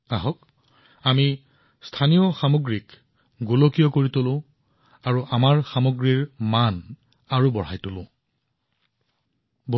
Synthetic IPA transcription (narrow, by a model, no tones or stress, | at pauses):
aɦɔk | ami | stʰanijɔxamoɡɹik | ɡulokijɔkoɹitolʊ̃ | aɹuʔamaɹxamoɡɹiɹman | aɹubɔɹajtolʊ̃ | bʱ